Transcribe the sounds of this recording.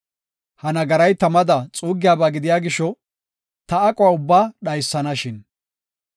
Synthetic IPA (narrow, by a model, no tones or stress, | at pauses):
hɐnɐɡɐɾɐjt̪ɐmɐd̪ɐt͡sʼuːɡɪjaːbaːɡɪd̪ɪjaːɡɪʃɔ | t̪ɐːkʼɔwaʊbːaːɗɐjsːɐnɐʃɪn